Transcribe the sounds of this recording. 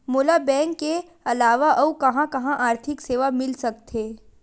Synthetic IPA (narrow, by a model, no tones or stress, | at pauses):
moːlabɛ̃ːŋkːe | ɐlaːʋaʔɔːkɐɦãkɐɦãʔaːɾt̪ʰɪkseːʋamɪlsɐk̚t̪ʰeː